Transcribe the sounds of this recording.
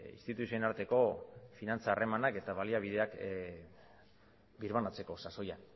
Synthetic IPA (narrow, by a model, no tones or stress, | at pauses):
ḭnst̪it̪usiuenaɾt̪e̞ko̞finant͡saːre̞manake̞t̪aβaliaβ̞ið̞e̞ak | biɾβanat͡se̞ko̞saso̞ja